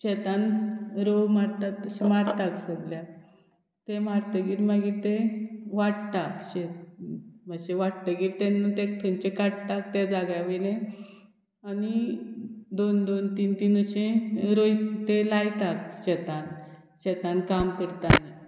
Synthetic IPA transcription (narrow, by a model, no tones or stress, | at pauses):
ɕɛt̪anɾomaɾt̪at̪əɕimaɾt̪aksəɡlja | t̪emaɾt̪əɡiːɾmaɡit̪eʋaɽt̪akɕe | məɕeʋaɽt̪əɡiːɾt̪enːət̪ekt̪ʰənt͡ɕekaɽt̪akt̪ed͡zaɡjaʋilẽ | ani | d̪ond̪ont̪iːnt̪iːnəɕẽɾojt̪elajt̪akɕɛt̪anɕɛt̪ankamkəɽt̪ani